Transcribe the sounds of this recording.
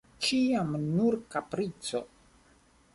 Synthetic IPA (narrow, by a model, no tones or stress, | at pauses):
t͡ʃiamnuɾkapɾit͡so̞